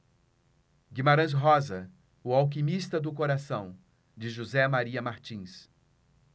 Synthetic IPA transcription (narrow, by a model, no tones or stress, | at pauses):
ɡimaɾɐ̃z̬ɦɔzɐ | ʊawk̬imist̪ɐd̪ʊkoɾasɐ̃w̃ | d͡ʒɪʒuzɛmaɾiɐmaɾt͡ʃĩs